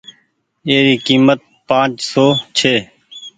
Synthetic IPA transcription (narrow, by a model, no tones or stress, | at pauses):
eːɾiːkiːmət̪̚pãːt͡ʃsoːt͡ʃʰeː